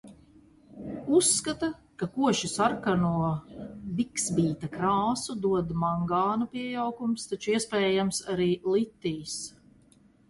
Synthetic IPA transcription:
usːkat̪a | kakuɔʃisaɾkanuɔbiksbʲiːt̪akɾaːsud̪uɔd̪maŋɡaːnupiɛjawkumst̪at͡ʃuiɛspɛːjamsaɾiːlit̪ːiːs

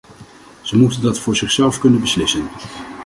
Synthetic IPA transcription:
z̥əmutəndɑtfʊːɹzɪχsɛlˠfkɵnənbəslɪsən

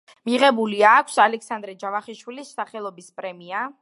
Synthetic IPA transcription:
miʁɛbuliakʷʰsalɛksand̪ɾɛd͡ʒavaχɛʃwilisːaχɛlˠɔbispʼɾɛmia

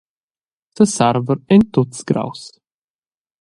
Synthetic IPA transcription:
sʰəsaɾvəɾɪnt̪ʊtsɡɾa̰ws

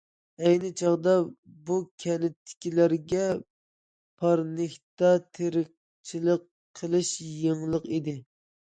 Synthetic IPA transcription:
ɛjnɪt͡ʃʰɑʁd̪ɑ | bukʲʰɛnɪt̪ʰːɪ̥kʲilæɾɡʲɛ | pʰɑɾnɪkʲt̪ɑt̪ʰeɾɪq̚ | t͡ʃʰiləqʰː | əlˠɨʃjəŋlˠəqid̪ɪ

